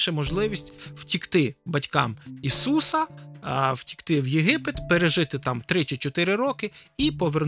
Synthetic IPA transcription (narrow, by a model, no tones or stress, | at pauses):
ʃɛmɔʒlˠɪʋʲisʲtʲw̥tʲikt̪ɪbɐtʲkɑmisusɐ | w̥tʲi̥kt̪ɪwjeɦɪpɪt̪peɾeʒɪt̪ɪt̪ɑmt̪ɾɪt͡ʃɪt͡ʃɔt̪ɪɾɪɾɔkɪipɔʋern